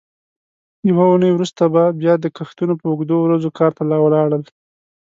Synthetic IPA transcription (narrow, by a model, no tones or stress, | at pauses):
jawaunəjwɾust̪ababjɑd̪əkaxt̪unopəʊɡd̪owɾazokʰɑɾt̪alɑwəlɑɽəl